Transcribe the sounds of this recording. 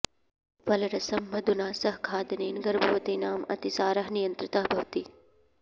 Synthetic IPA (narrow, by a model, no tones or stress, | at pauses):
ʋɐlɐɾɐsɐmbʱɐd̪unaːsɐɦkʰaːd̪ɐneːnɡɐɾbʱɐʋɐt̪eːnaːmɐ̰t̪isaːɾɐɦnijɐnt̪ɾɪt̪aɦbʱɐʋt̪iː